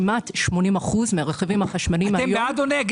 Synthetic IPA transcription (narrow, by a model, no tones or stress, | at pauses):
mat̪ʃmo̞nimaχuzmeaʁeχevimaχaʃmanimaejbead̪oneɡ